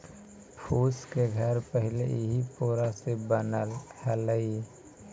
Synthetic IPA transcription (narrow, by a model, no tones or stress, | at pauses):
pʰuːskeɡʱəɾpəɦɪlḛɦipoːɾasebənəlhələi